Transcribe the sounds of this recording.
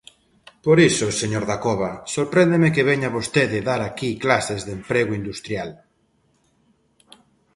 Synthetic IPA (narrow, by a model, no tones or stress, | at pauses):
poɾisoseɲoɾðakoβ̞asoɾpɾend̪emekeβeɲaβost̪eðeðaɾakiklasezðempɾeɣoind̪ust̪ɾjal